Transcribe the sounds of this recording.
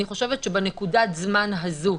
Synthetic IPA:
iχo̞ʃevet̪ʃebenekudat̪zmanɦazu

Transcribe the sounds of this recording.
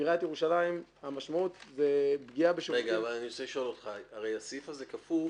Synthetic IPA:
iʁat̪jeʁuʃalaimhamaʃmaut̪zebɡiabeʃoʁeɡaːvalaniot͡seliʃoolot̪χaaʁejasifazekaful

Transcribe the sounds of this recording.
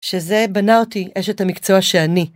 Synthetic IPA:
ʃe̞ze̞banaotiʔeʃet̪hamikt͡so̞aʃeani

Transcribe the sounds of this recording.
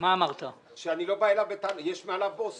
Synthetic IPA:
maːmaʁt̪a | ʃeanilo̞baelavet̪anajeʃmealavbos

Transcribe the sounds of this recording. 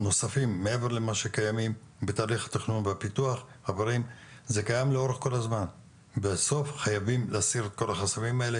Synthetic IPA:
no̞safimːee̞ve̞ʁlemaʃe̞kajamim | bet̪aːliχhḁt̪iχnunveapit̪uaχ | havaʁim | ze̞kajamleo̞ʁe̞χko̞lazman | beso̞fχajavimlaːsiʁet̪̚ko̞laχasavimae̞le

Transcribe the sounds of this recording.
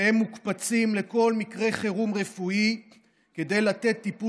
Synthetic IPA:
emːukpat͡simle̞ko̞lmikʁe̞χeʁumʁe̞fui | ke̞d̪e̞jlat̪e̞t̪ːipu

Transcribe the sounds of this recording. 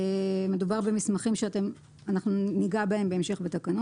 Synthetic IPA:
me̞dubaʁbe̞mismaχimʃeate̞m | anaχnuniɡabae̞mbe̞ːmʃe̞χbet̪akano

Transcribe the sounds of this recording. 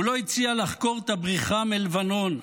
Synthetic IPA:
ulo̞it͡sialaχko̞ʁt̪abʁiχamelvano̞n

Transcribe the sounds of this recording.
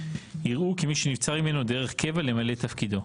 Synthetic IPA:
iʁʔukimiʃenivt͡saʁime̞no̞d̪eʁeχke̞vale̞male̞t̪ɐfkid̪o̞

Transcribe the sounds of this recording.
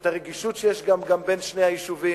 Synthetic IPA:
t̪aʁeɡiʃutʃejeʃɡamɡambenʃnehajiʃuvi

